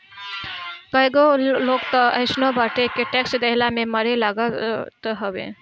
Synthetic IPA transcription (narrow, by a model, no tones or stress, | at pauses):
kəjɡoloɡt̪ɔəɪsnobaʈekeʈeksd̪əɦlameməɾelaɡət̪ɦəbḛ